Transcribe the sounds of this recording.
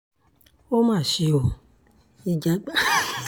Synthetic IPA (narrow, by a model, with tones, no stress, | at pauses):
o˦mãː˦˨ʃi˧o˨ | i˧d͡ʒa˦ɡ͡ba˦